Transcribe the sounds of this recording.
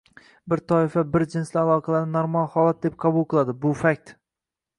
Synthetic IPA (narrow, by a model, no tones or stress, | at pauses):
bɪɾt̪ʰɒɪfabɪɾd͡ʒɪnslɪalˠɒqʰɑlaɾnɪnoɾmalˠhɒlˠat̪̚d̪ep̚qʰɑbʊlˠqʰɨlˠad̪ɪbʊfak̚ʲt̪